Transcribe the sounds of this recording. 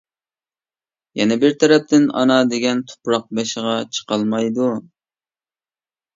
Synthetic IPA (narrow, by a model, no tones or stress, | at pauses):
jɛnɛbɪɾt̪ʰɛɾɛp̚t̪ʰɪnɑ̰nɑd̪eɡʲɛnt̪ʰo̥pɾɑq̚bɛʃəʁɑt͡ʃʰə̥qɑlˠmɑjd̪u